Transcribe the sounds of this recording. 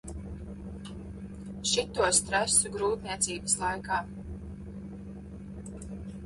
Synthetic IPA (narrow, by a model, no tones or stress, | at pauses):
ʃit̪ːuɔst̪ɾasuɡɾuːt̪nʲiɛt̪siːbəslˠajkaː